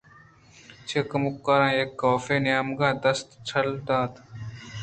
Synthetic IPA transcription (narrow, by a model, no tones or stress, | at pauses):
t͡ʃʰeːkɐmukːaɾãːjekːoːfeːnjaːmɡãːd̪ɐst̪t͡ɕʰɐld̪ãːt̪